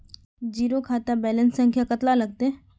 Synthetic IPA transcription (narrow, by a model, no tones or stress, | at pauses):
d͡ʒiːɾokʰaːt̪abɛːlə̃nsə̃ŋkʰjakət̪lalɐɡ̚t̪e